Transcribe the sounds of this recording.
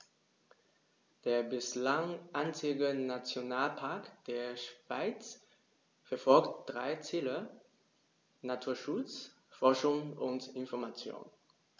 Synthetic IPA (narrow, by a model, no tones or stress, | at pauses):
d̥eːɐbɪslaŋʔaɪnt͡sɪɡənat͡sjonaːlpʰaɐkd̥eːɐʃv̥a̰ɪt͡s | fɛɐfɔlktd̥ʁaɪt͡siːlə | natʰuːɐʃʊt͡s | fɔɐʃʊŋʊntɪnfɔɐmat͡sjo̰ːn